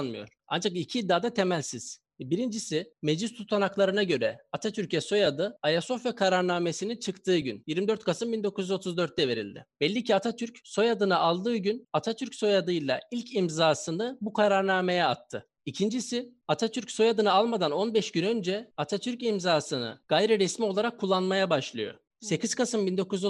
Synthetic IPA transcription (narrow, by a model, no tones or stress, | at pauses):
nmɯjo̞̰ɾ̥a̰nd͡ʒakicʰid̪ːaːd̪at̪ʰe̞mælʲsiz̥ | biɾind͡ʒisɪme̞d͡ʒist̪ʰut̪ʰanaklˠaɾɯnaɟø̞ɾɛat̪ʰat̪ʰyɾcɛso̞jad̪ɯajaso̞fɛkʰaɾaɾnaːme̞sinint͡ʃʰɯkt̪ʰɯːɟynjiɾmid̪ø̞ɾt̪kʰasɯmbind̪o̞kʰuzjyzo̞t̪ʰuzd̪ø̞ɾt̪̚d̪ɛve̞ɾḭlʲd̪ɪ̰b̥ɛlʲːicʰiat̪ʰat̪ʰyɾcso̞jad̪ɯnɯalˠd̪ɯːɟynat̪ʰat̪ʰyɾcso̞jad̪ɯjlˠa̰ilʲcʰimzaːsɯnɯbukʰaɾaɾnaːme̞jɛat̪ʰːɯ | icʰind͡ʒisɪat̪ʰat̪ʰyɾcso̞jad̪ɯnɯalˠmad̪ano̞nbɛʃɟynø̞nd͡ʒɛat̪ʰat̪ʰyɾcimzaːsɯnɯ̰ɡ̥ajɾiɾɛsmio̞lˠaɾakʰːulˠːanmajabaʃlˠɯjo̞̰ | se̞cʰiz̥kasɯmbind̪o̞kuz